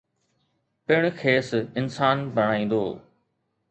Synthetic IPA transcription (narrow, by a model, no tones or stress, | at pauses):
pɪɽ̃kʰeːsɪnsaːnbʱɐɽ̃aːĩːnd̪o̰ː